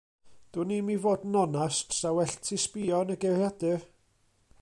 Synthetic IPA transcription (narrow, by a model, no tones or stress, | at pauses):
d̥uːnimivoːdnɔnastsawɛɬtʰispiːɔnəɡerjadɨ